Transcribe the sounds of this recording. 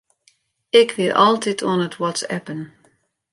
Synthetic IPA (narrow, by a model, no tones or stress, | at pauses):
ɪkʰʋɪlʔɔ̰lˠtʰɪtʰɔnətʰwɔtsɛ̰pən